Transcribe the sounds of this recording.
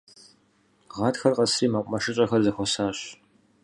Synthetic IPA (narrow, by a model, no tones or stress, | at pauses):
ʁɑːtxɐrqɐsriːmɐqʷʼmɐʃɨɕʼɐxɐrzɐxʷɔsaːɕ